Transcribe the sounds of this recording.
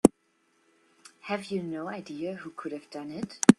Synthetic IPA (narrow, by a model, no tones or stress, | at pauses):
hɨvjɨnoʊaɪdiɨhukʰʊɾhɨvdʌ̃nɪt